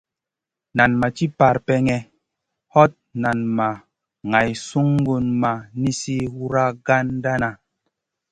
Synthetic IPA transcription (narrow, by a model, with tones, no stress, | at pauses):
na˨nma˨t͡ʃi˦pa˨ɾpɛ˧ŋɛ˨ | hɔ˦t̚na˨nma˨ | ŋa˨jsu˦ŋ˦ɡu˧nma˨ni˦si˦wu˦ɾa˦ɡa˦nda˦na˨